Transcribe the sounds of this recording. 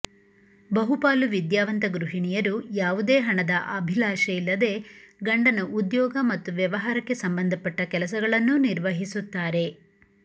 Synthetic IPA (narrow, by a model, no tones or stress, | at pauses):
bɐɦupaːluʋid̪jaːʋɐnt̪ɐɡɾuɦiɳijɐɾujaːʋud̪eːɦɐɳɐd̪ɐʔɐbʱilaːʃɐilːɐd̪e̞ːɡɐɳɖɐnɐʔud̪jɔːɡɐmɐt̪ːuʋjɐʋɐɦaːɾɐkːe̞sɐmbɐnd̪ʱɐpːɐʈːɐkɛlɐsɐɡɐɭɐnːuniɾʋɐɦisut̪ːaːɾe̞